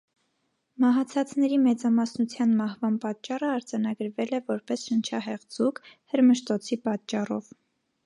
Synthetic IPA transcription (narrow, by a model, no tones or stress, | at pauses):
mɑɦɑt͡sʰɑt͡snɛɾimɛt͡sɑmɑsnut͡sʰjɑnmɑhvɑnpɑt͡ʃːɑrəɑɾd͡zɑnɑɡəɾvɛlɛvɔɾpɛsʃənt͡ʃʰɑɦɛʁd͡zukhəɾməʃt̪ɔt͡sʰipɑt͡ʃːɑrɔ̰v